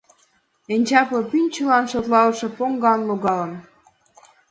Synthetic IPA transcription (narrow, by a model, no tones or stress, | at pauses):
enʲt͡ɕɑplɤ̆pynʲt͡ɕə̆lɑnʃot̪lɑlɤ̆ʃɤ̆poŋɡɑnloɣɑlə̆n